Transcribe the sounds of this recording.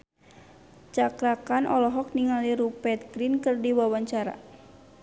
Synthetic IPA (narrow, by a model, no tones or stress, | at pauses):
t͡ʃakɾakanʔɔlɔɦɔk̚niŋaliɾupɛt̪̚ɡɾinkɨrdiwawaɲt͡ʃaɾa̰